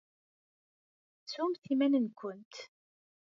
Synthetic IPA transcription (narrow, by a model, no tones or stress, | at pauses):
sumθimænənkʷʊnt̪